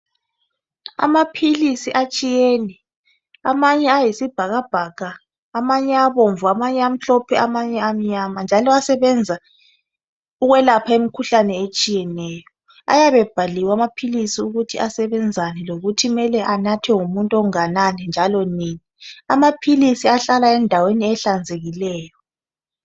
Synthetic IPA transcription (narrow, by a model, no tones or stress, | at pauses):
a̰mapʰilisiʔat͡ʃʼijeːnɛ | a̰maɲɛajisib̥ʱaɣab̥ʱakaː | maɲɛaβoɱvuamaɲɛam̩ɬɔpʰɛʔamaɲɛam̩ɲamand͡ʒʱalɔasɛβɛnd͡zʱa | uɣwɛlapʰaemikʰuɬanɛet͡ʃʼijɛnɛːjɔ | a̰jaβɛb̥ʱaliwamapʰilisiuɣutʰiasɛβɛnd͡zʱanɛloɣutʰimɛlɛʔanatʰɛŋumuntʼɔŋananɛnd͡ʒʱalɔniːnia̰mapʰilisiaɬalaɛndʱaweniɛɬand͡zʱeɣilɛːjɔ